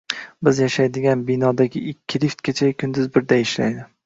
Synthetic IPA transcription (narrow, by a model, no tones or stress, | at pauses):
bɪzjaʃajd̪ɪɡʲanbɪnɒd̪aɡʲɪɪkʲʰːɪlift̪̚kʲat͡ʃʰakʰʲʊnd̪ʊzbɪɾd̪aɪʃla̰jd̪ɪ